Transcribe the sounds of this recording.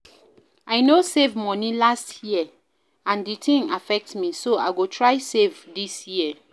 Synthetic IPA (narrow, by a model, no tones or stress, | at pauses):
aɪnosevmɔnilastʰjiə | ãnditʰĩŋafɛk̚tmisoa̰ɪɡotʰɹaɪsevdisjiə